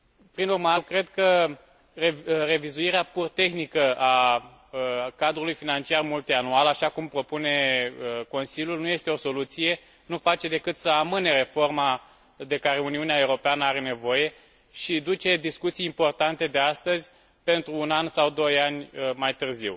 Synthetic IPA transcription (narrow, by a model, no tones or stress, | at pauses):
pɾinurmakɾe̞d̪kə | rere̞vizuiɾeapurt̪e̞xnikəa | kad̪ɾulujfinant͡ʃiarmult̪ianualaʃakumpɾo̞pune̞əko̞nsilʲjulnuje̞st̪eo̞so̞lut̪sije̞ | nufat͡ʃe̞d̪e̞kɨt̪səamɨne̞ɾe̞fo̞rma | d̪e̞kaɾe̞uniuneaeuɾo̞peanəaɾe̞ne̞vo̞je̞ | ʃid̪ut͡ʃe̞d̪iskut̪sijːmpo̞rt̪ant̪e̞d̪e̞ast̪əzʲ | pe̞nt̪ɾuːnansawd̪o̞janʲmajt̪ɨrziw